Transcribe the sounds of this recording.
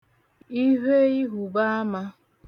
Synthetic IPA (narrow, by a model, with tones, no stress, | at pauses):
i˦ɦe˦i˦ɦu˨ba˦a˦ma˦